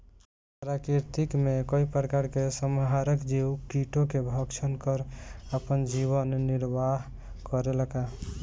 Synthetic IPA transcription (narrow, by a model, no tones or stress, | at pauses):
ɾakiɾt̪ikmekoipɾəkaɾkesəmɦaɾəkd͡ʒiwkiʈokebʱɔkt͡ʃʰənkəɾəpənd͡ʒiβənːiɾbaɦ | kɔɾeləka